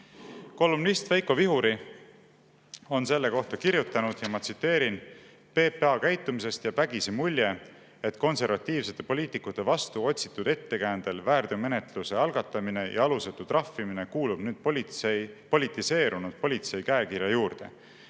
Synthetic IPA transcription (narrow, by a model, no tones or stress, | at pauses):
ko̞lːumnist̪væjko̞viɦuɾi | o̞nse̞lːe̞ko̞ht̪ɑkiɾjut̪ːˑɑnud̪̥jɑmɑt̪sit̪ːe̞ːɾin | pe̞ːpːeɑkæjt̪ˑːumise̞st̪jɑpæɡ̥isemulʲje̞ | et̪ːˑko̞nse̞rvɑt̪ːˑiːvse̞t̪ːˑe̞po̞lʲiːt̪ˑikːˑut̪ːe̞vɑst̪uo̞t̪ʲsi̥t̪ːˑud̪̥e̞t̪ːe̞kæːnd̪̥e̞lvæːrd̪̥eme̞net̪luse̞ɑlɡ̥ɑt̪ːˑɑmine̞jʔɑ̰ɑluset̪ːˑurɑfːimine̞kuːlub̥nyːd̪̥ | po̞lʲit̪ːˑise̞ːɾunud̪̥̚po̞lʲit̪se̞jkæekiɾjɑjuːrd̪̥e̞̰